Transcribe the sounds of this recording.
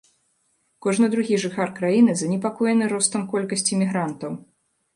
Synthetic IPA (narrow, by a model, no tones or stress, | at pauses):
kɔʐnɨd̪ɾuɣʲiʐɨxarkɾajinɨzɐnʲɛpakɔjɛnɨɾɔst̪ɐmkɔlʲkɐsʲt͡sʲimʲiɣɾant̪ɐw